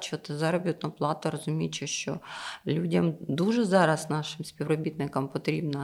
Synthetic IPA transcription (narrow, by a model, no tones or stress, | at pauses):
t͡ʃɔt̪ɪzɑɾɔbʲit̪nɐplˠɑt̪ɐɾɔzʊmʲijt͡ʃeʃt͡ʃɔ̰lʲudʲɐmd̪uʒɛzɑɾɐsnɑʃɪmspʲiʋɾɔbʲit̪nɪkɐmpɔt̪ɾʲibnɐ